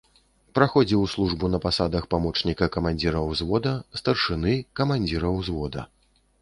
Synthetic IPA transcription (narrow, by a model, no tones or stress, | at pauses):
pɾaxɔd͡zʲiwslˠuʐbunɐpasad̪ɐxpamɔt͡ʂnʲikɐkɐmanʲd͡zʲiɾɐwzvɔd̪ɐst̪ɐrʂɨnɨkɐmanʲd͡zʲiɾɐwzvɔd̪ɐ̰